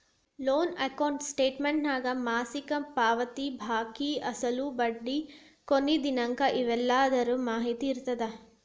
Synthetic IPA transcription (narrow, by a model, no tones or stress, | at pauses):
loːnɐkɐwɳʈsʈeːʈmeɳʈnaːɡɐmaːsikɐpaːʋɐt̪ibʱaːkiɐsɐlubɐɖːi | konːid̪inɐŋkɐʔiʋɛlːaːd̪ɐɾumaːɦit̪iːɾt̪ːɐd̪ɐ